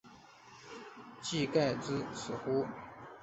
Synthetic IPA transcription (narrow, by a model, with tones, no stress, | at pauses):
t͡ɕi˥˧ka˥˧ɪt͡sɹ̩˥sɹ̩˨˩xu˥